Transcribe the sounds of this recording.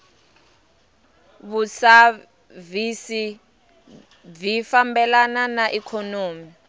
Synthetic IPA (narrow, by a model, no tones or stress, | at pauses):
βusa | visi | vifambɛlananaʔikʰɔnoːmi